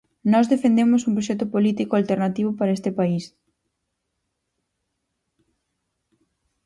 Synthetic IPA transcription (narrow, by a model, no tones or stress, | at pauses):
nɔzðefend̪emʊsumpɾoʃ̬ɛt̪ʊpolit̪ikoalt̪eɾnat̪iβ̞ʊpaɾɐest̪ɪpais